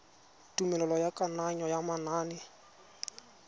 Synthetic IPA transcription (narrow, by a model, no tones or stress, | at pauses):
tʼumɛlɛlɔjakʼanaɲɔjamanaːnɪ